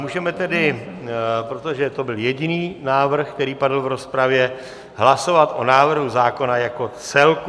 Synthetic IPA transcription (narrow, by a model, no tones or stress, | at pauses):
muːʒɛmɛt̪ɛdɪ | pɾot̪o̞ʒɛt̪o̞bɪljɛɟɪniːnaːvr̩xkt̪ɛɾiːpadl̩vɾo̞spɾavjɛ | ɦlaso̞vat̪ʔo̞̰naːvr̩ɦuzaːko̞najako̞t͡sɛlk